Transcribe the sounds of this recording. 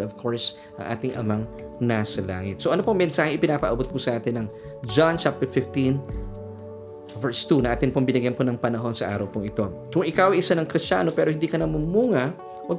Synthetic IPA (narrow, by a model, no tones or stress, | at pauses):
ovkʰoɹs | ʔɐ̰ŋʔa̰ːt̪ɪŋʔɐ̰mɐŋ | nasɐla̰ːŋɪt̪̚soʔɐnopoŋmɛnsaːhɛʔɪpɪnaːpɐʔɐbot̪̚pʊsɐʔaːt̪ɪnːɐŋ | d͡ʒant͡ʃap̚t̪ɛɹfɪft̪in | vɛɹst̪unɐŋʔaːt̪ɪnpoɐŋbɪnɐɡjɐnponɐŋpɐnɐɦo̞nsɐʔa̰ːɾɐwpʊŋʔɪt̪o̞kʊŋʔɪkawʔɐʔɪsanɐŋkɾɪst͡ʃa̰ːno̞pɛːɾoɪnd̪iːkɐnɐmumuːŋɐ | wɐɡ